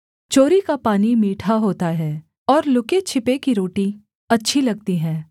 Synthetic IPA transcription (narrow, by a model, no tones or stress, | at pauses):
t͡ʃoːɾikapaːnimiːʈʰaɦoːt̪aɦɛː | ɔːɾlʊket͡ʃʰɪpekiɾoːʈi | ɐtːʃʰilɐɡ̚t̪iɦɛ̃ː